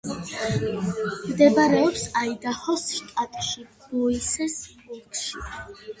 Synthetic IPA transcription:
md̪ɛbaɾɛɔpsaid̪ahɔsʃt̪ʼat̪ʼʃib̥ɔisɛsbulkʰʃi

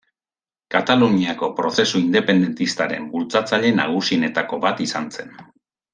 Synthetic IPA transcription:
kat̪aluɲiako̞pɾo̞se̞suind̪e̞pe̞nd̪e̞nt̪ist̪aɾe̞mbult͡sat͡saʎe̞na̰ɣ̞usiene̞t̪ako̞βat̪isanse̞n

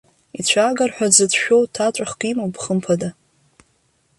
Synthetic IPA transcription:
it͡ɕʷʰaɡarħʷᶣad͡zɨtʰʃᶣowtʰat͡ʃʷʼaχkʷʼimowpʰχəmpʰada

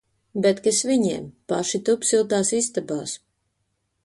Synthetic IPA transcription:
bɛt̪kɨsviɲɛɛːmpaʃit̪upsilˠt̪aːsist̪abaːs

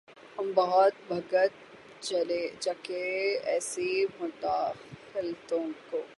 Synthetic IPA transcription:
hɐmbɐɦɔt̪̚bʱɐɡət̪̚ | t͡ʃɐled͡ʒɐkeɛ̰ːsimʊʈ̪aːxɪlt̪õkoː

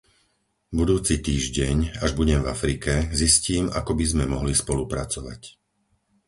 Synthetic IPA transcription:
bud̪uːt͡sit̪iːʒɟɛɲaʒbuɟɛmvafɾikɛzisciːma̰kɔbizmɛmɔɦlispɔlupɾat͡sɔʋa̰c

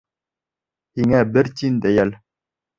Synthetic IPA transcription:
hiŋæbɘɾt̪ind̪æjæl

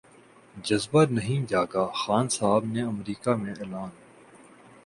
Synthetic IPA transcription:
d͡ʒəzbanəɦĩd͡ʒaːɡaːxaːnsaɦbneəmɾiːkamẽeːlaːn

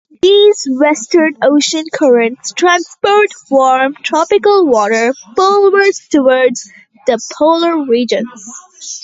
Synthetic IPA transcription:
d̪izwɛstə˞noʊʃə̃nkʰʌɹə̃ntstʰɹæ̃nspɔɹtwɔɹmtʰɹɔpɪkəlˠwɔɾə˞folwə˞dtʰəwɔɹdz | ðəpʰoʊləɹɹid͡ʒə̃nz̥

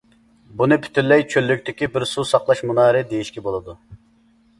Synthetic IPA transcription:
bunɨpʰy̥t̪ylːɛjt͡ʃʰølːykʲt̪ʰɪkʲibɪɾsusɑqlˠɑʃmunɑːɾɨd̪ejiʃkʲɛbolˠɨd̪u

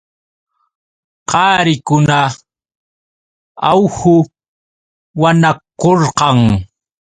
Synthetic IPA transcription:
qɑːɾɪkʊna | awhʊ | wanakoɾqɑŋ

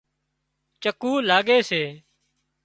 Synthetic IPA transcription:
t͡ʃəkuːlaːɡeːseː

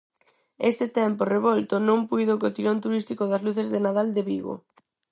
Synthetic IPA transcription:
est̪ɪt̪ɛmporeβɔlt̪ʊnõŋpujðokot̪iɾont̪uɾist̪ikoðɐzluθezðɪnaðald̪eβiɣo̰

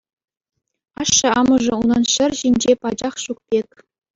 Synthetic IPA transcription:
ɑʂːɤ̆ɑmɤ̆ʐɤ̆unɑnɕɘ̆rʲʑinʲd͡ʑepɑd͡ʑɑχɕuk̚pʲekʲ

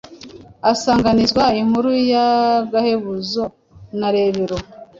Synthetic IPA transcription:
asaːŋɡanizɡwaiŋ̥huɾujaɡaheβuzo | naɾe̞βeɾo

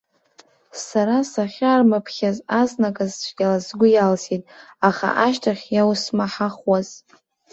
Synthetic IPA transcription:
saɾasaχʲaːrmapʰχʲazaznakʼazt͡ʃʷʰɡʲalazɡʷʊjalsitʼaχa̰ʔaʃtʰaχʲjawsmaħaχwaz

